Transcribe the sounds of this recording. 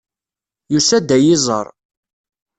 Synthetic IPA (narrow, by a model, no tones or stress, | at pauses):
jusæd̪æjɪzˤə̰ɾˤ